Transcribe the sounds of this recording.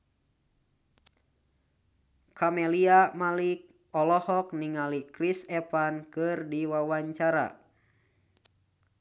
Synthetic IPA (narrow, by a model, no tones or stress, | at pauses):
kʰamɛliamalik̚ | ɔlɔhɔk̚niŋalikɾisɛpankɨrdiwawaɲt͡ʃaɾa̰